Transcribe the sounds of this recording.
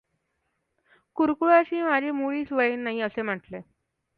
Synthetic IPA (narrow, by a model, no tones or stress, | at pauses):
kuɾkuɭaɕiːmad͡ʑʱemuɭiːt͡sʋəjiːnːaɦiəsem̤əʈle